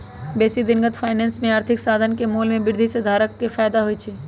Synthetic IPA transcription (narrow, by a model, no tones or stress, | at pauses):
beːsid̪ɪnɡət̪pʰaːɪneːnsmẽaːɾt̪ʰɪksaːd̪ʱənkemuːlmẽbɪɾd̪ʱised̪ʱaːɾəkːepʰaːɪd̪aɦoit͡ʃʰiː